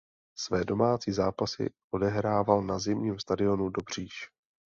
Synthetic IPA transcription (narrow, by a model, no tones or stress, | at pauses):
svɛːdo̞maːt͡siːzaːpasɪ̰ʔo̞dɛɦɾaːvalnazɪmɲiːmst̪adɪo̞nudo̞br̝̥iːʃ